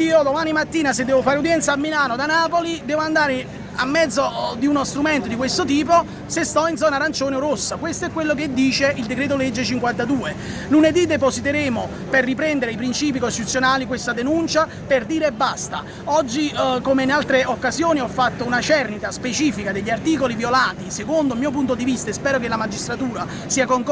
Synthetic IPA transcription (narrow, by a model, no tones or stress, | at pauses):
iːod̪omaːnimat̪ːiːnased̪ːɛːvofaːɾeud̪jɛnt̪samːilaːnod̪anaːpolid̪ɛːvoand̪aːɾe | amːɛd̪zod̪iunost̪ɾumɛnt̪od̪ikwest̪ot̪iːp̬o | sest̪ɔinzɔːnaɾant͡ʃoːneoɾosːakwest̪oɛkːwelːok̬ed̪ːiːt͡ʃeild̪ekɾeːt̪̬olɛd͡ʒːet͡ʃiŋkwant̪ad̪uːeluned̪id̪epozit̪eɾeːmo | perːipɾɛnd̪eɾeipɾint͡ʃiːp̬ikost̪it̪ut̪sjonaːlikwest̪ad̪enunt͡ʃa | perd̪iːɾeːbːast̪a̰ | ɔd͡ʒːikomeinalt̪ɾeokːazjoːniɔfːat̪ːounat͡ʃɛrnit̪aspet͡ʃiːfikad̪eʎːiart̪iːkolivjolaːt̪isekond̪omiːop̬unt̪od̪ivist̪aespɛːɾokelamad͡ʒist̪ɾat̪uːɾa | siːakoŋk